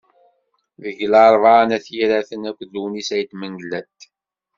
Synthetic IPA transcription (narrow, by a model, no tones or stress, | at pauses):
ðəʝlɑɾˤvɑnæθjiɾæθənækʷːðunisæjət̪məŋɡlæt̪